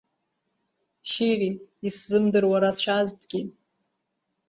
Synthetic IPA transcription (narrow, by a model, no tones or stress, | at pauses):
ʃiriiszɨmdɨrwaɾat͡ɕʷʰaztʰʼɡʲi